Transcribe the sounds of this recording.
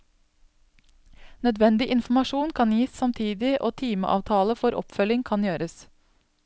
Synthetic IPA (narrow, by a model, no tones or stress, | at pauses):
nœd̪ʋɛnd̪ɪʔɪnfmɑʃuːnkʰɑnjiːssɑmt̪ʰiːd̪ɪʔoːt̪ʰiːmə̰ʔɑ̰ːʋt̪ʰɑːləfɔɾʔɔ̰pfœlɪŋkʰɑnjøːɾəs